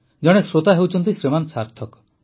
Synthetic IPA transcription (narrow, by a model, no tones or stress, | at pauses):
d͡ʒɔɽ̃esɾot̪aɦewt͡ʃʰɔnt̪isɾemansaɾt̪ʰɔk